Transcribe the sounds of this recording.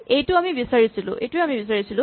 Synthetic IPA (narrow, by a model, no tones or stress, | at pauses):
ejtʊamibisaɹisilʊ̰̃ʔḛjtuejamibisaɹisilʊ̃